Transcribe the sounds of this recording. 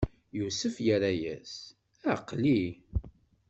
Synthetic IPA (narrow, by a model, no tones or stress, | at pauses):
jusəfjəɾæjæ̰s | æqːli